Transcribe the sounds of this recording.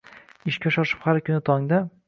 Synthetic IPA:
ɪʃkʲaʃɒʃɪ̥phaɾkʰʲʊnɪt̪ʰɒŋd̪a

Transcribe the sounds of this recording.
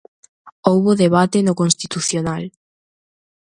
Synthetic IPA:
owβʊðeβat̪enʊkonst̪it̪uθjonal

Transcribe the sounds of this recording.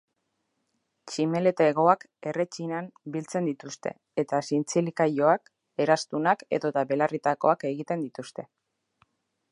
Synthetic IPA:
t͡ʃime̞le̞t̪eɣo̞ak | e̞re̞t͡ʃinambilt͡se̞nd̪it̪ust̪e̞̰ | et̪asint͡silikajo̞ak | e̞ɾast̪unake̞̰ðo̞t̪aβe̞larit̪ako̞̰ake̞ɣit̪e̞nd̪it̪ust̪e̞

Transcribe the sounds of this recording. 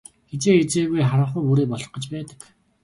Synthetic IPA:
ɡ̥et͡seːet͡seːɣujχaɾə̆ɴχʊːpuɾeːpɔɮɞ̆χɢɞ̆t͡ɕpæːt̪ə̥̆k

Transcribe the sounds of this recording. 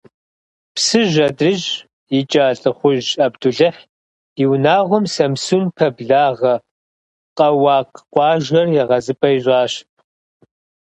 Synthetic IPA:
psɨʒɐdrɨʒ | jɪt͡ʃʼaːɬʼɨχʷʊʑɐbduɮɨħ | iwnaːʁʷʊmsɐmsunpʰɐbɮaːʁɐ | qʼɐwɑːqqʷɑːʒɐrjɛʁɐzɨpʼɐjʑʷʼɑːɕpʰʼ

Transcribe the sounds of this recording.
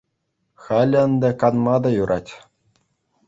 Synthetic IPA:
xɑl̆ʲɤ̆nd̪ɤ̆kɑnmɑd̪ɑjuɾʔɑtʲ

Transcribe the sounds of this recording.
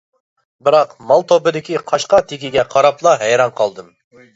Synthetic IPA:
bɪɾɑqmɑlˠt̪ʰobɪd̪ɪkʲiqʰɑʃqɑt̪ʰekʲiɡʲɛqʰɑɾɑplˠɑɦɛjɾɑnqʰɑlˠd̪ɨm

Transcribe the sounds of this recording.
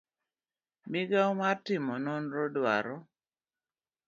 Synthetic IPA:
mɪɡaomartɪmɔnɔnɾɔdwa̰ɾɔ

